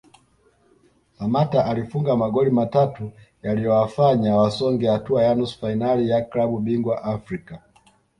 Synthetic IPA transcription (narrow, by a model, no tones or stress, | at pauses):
samataʔalifuŋɡamaɡɔlimatatu | jalijɔwafaɲawasɔŋɡɛhatuajanusfainalijaklaɓuɓiŋɡwaʔafɾika